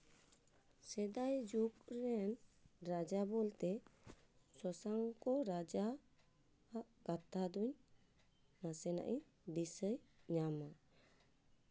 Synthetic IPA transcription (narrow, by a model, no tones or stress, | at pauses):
sɛd̪ajd͡ʒuk̚ɾɛnɾad͡ʒabɔlt̪ɛ | sɔsaŋkɔɾad͡ʒaː | ʔkat̪ad̪uɲ | nasɛna̰ʔi | d̪isəjɲama